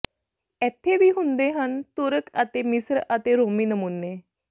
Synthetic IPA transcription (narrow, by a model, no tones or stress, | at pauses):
ɛt̪ʰːeʋiːɦund̪eɦant̪oɾəkat̪emisɾat̪eɾomiːnəmunːe